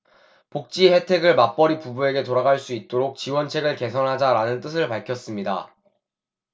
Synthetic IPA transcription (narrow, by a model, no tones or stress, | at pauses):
pok̚t͡ɕ͈ihe̞tʰe̞ɡɯɭmap͈ʌɾipubue̞ɡe̞toɾaɡaɭs͈uit̚t͈oɾok̚t͡ɕiwʌnt͡ɕʰe̞ɡɯɭke̞sʰʌnɦad͡ʑaɾanɯnt͈ɯsʰɯɭpaɭkʰjʌs͈ɯmɲida̰